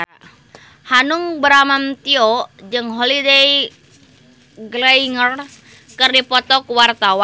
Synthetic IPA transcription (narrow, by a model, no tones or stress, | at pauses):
hanuŋbəɾamamt̪ioʔd͡ʒɨŋɦolidej | ɡlaiŋər | kɨrdipɔt̪ɔkuwart̪awa